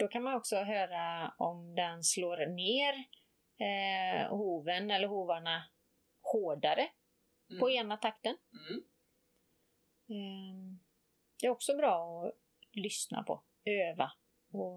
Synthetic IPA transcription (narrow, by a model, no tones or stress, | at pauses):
d̪̥ɔkʰanmanɔksɔɦøːɾaɔmd̪ɛnsloːɾneːɾ | huːvənɛlːəɾɦuːvaɳa | hoːɖaɾə | pʰɔeːnat̪ʰakt̪ən | d̪̥ɛɾɔksɔbɾɑːɔ | lʏsna̰pʰɔ̰ | øːva | ɔ